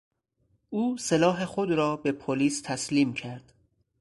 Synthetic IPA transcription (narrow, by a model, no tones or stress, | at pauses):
ʔuːselɒːɦe̞xod̪ɾɒːbe̞pʰoliːst̪ʰæsliːmcʰæɾd̪̥